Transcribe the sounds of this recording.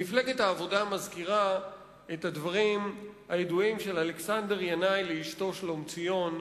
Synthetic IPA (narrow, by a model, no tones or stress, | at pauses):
ifle̞ɡethaːvo̞damazkiʁa | ethadvaʁimhajeduimʃe̞laleksande̞ʁjanajleiʃto̞ʃlomt͡sijo̞n